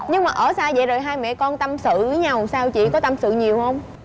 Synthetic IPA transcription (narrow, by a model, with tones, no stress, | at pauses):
ɲɨ˧ŋmaː˨˩ʔəː˧˩saː˧zə̰˧˨zoː˨˩jɦaː˧jmɛ̰˧˨kɔ˧nt̪ə˧msɨ̰˧˨˦ɲa˨˧˩wsaː˧wt͡ɕḭ˧˨kɔ˨˦t̪a˧msɨ̰˧˨ɲi˨˩əwhə˧wŋ͡m